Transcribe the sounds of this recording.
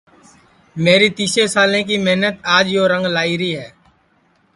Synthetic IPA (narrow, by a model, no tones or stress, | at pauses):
meːɾiːt̪iːseːsaːlẽːk̬iːmeɦnət̪aːd͡ʒjoːɾə̃ŋɡlaːiːɾəiːɦɛː